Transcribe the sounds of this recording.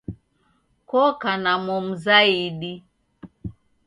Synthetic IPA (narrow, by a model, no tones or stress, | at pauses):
kɔkanamɔm̩zaiɗi